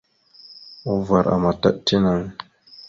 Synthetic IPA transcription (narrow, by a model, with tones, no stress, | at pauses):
u˦va˨ɾʔa̰˨ma˨ta̰˦ʔti˦na˨˦ŋ